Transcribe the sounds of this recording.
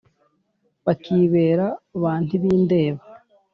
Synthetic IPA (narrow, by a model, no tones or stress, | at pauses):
βakʰiːβe̞ːɾaβaːn̥iβiːnde̞ːβa